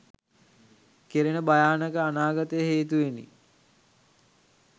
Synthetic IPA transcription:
keɾenəbajaːnəkəanaːɡat̪əjəɦeːt̪uʋenḭ

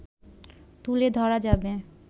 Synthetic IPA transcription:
t̪uled̪ʱɔɾad͡ʑabe

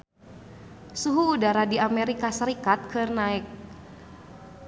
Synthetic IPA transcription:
suɦuːdaɾadiamɛɾikasəɾikat̪̚kʰɨrnaɪk̚

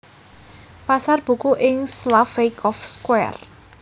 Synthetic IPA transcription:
pasarb̥ṳkuʔɪŋslafekɔfskwɛ̰r

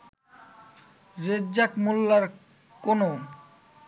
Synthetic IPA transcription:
ɾedd͡ʑakmulːaɾ | kono

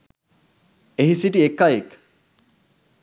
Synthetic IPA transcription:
eɦisiʈiekːajek

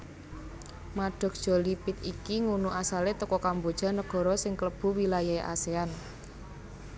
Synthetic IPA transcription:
maɖ̥ɔ̤k̚d̥ʒ̥ɔ̤lipɪt̪ikiŋunuʔasalet̪əkɔkambod̥ʒ̥a̤nəɡ̥ɔ̤ɾɔsɪŋkələb̥ṳwilajaeʔa̰sean

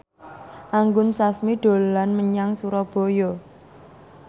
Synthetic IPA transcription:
ʔaŋɡʊnsasmiɖ̪̥o̤lanməɲaŋsuɾɔb̥o̤jɔ

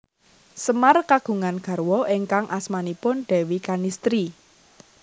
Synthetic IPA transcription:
səmarkaɡ̥ṳŋanɡ̥ä̤rwɔʔeŋkaŋʔasmanipʊnɖ̥ɛ̤wikanist̪ɾi

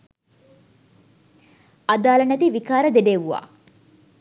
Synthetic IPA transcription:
ad̪aːlɐnæt̪iʋikaːɾəd̪eɖeːʋuʋa̰ː

